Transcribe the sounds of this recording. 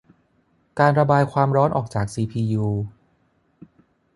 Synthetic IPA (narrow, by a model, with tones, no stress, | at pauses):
kaː˧nɾa˧baː˧jkʰwaː˧mɾɔː˦˥nʔɔ̰ː˨˩k̚t͡ɕaː˨˩k̚siː˧pʰiː˧juː˧